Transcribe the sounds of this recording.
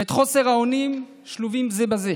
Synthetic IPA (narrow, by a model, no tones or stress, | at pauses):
et̪χo̞se̞ʁaonim | ʃluvimzebaze